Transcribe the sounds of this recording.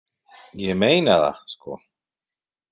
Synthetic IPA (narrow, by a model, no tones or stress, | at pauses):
jɛmejnaða̰skɔ̰